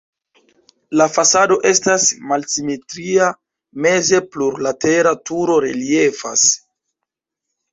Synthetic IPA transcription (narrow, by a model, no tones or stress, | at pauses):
lafasado̞ʔe̞stasmalsime̞tɾia | me̞ze̞pluɾlate̞ɾatuɾo̞ɾelie̞fa̰s